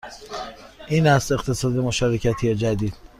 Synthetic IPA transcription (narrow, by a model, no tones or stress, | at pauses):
ʔiːnæst̪e̞qt̪ʰe̞sɒːd̪e̞mo̞ʃɒːɾecʰæt̪ʰijed͡ʒæd̪iːd̪̥